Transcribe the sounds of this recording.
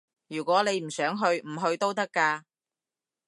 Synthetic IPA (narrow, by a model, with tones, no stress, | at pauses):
jyː˨˩kʷɔː˨˥ne˨˧jm̩˨˩sœː˨˥ŋɦɵ˧ɥm̩˨˩ɦɵ˧ɥt̪o˥wt̪ɐ˥kːaː˧